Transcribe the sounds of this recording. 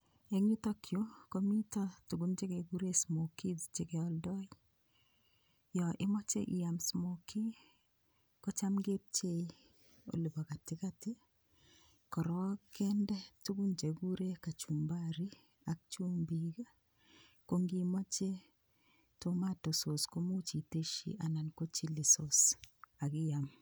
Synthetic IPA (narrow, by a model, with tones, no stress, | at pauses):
e˨ŋi˦to˦kjokomi˦ta˦tu˨ɡu˨nd͡ʒe˦ke˨ɡu˦ɾe˦smo˨ki˦di˨t͡ʃe˨kɛ˨ɔ˦ldɔ˦i | jɔ˨ʔɪ˦mɔ˦t͡ʃḛ˦ʔi˨a˨msmoki˦ | kɔ˦t͡ʃa˦mɡe˦p̚t͡ʃe˦i | o̰˨li˨ba˨ka˨tɪ˦ka˦tɪ˦ | kɔ˨ɾɔ˦kɛ˦ndɛ˦tu˦ɡu˦nd͡ʒe˨ɡu˦ɾe˦ka˨t͡ʃu˨mba˦ɾi˦ | a˨k̚t͡ʃu˦mbiɡa˦ | ko˦ŋɡimo˦t͡ʃe˦ | to˦ma˦to˨so˨sko˦mo˦t͡ʃi˨te˦ʃḭ˨ʔa˨na˨nko˦t͡ʃi˦lɪ˨so˨sa˨ɡɪ˦ja˨m